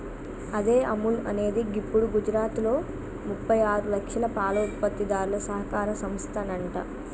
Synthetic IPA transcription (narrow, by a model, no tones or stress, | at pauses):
ɐd̪e̞ːʔɐmulɐne̞ːd̪iɡipːuɽuɡud͡ʒɾaːt̪lo̞ː | mupːɐjaːɾulɐkʂɐlɐpaːlɐupːɐt̪ːid̪aːɾulɐsɐɦɐkaːɾɐsɐmst̪ʰɐnɐɳʈɐ̰